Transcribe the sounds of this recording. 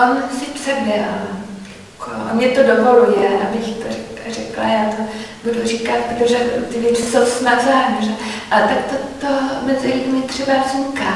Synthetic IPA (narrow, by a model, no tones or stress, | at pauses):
onsɪpt͡sɛbɛljakʰo̰mɲɛt̪o̞dovo̞lujɛʔabɪxt̪orɛkrɛkla̰jaːt̪o | budurikat̪̚pɾot̪oʒɛt̪ɪvjɛt͡sɪsowsnazaːɦɲɲɛʒɛʔalɛt̪ak̚t̪ot̪omɛzɪjimɪt̪r̝̥ɛbavzɲikaː